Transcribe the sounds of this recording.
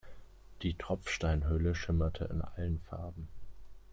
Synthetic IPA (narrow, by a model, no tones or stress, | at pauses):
d̥iːtʁ̥ɔp͡fʃtaɪnɦœləʃɪmɐtʰə̰ɪ̰nʔa̰lənfa̰ɐbm̩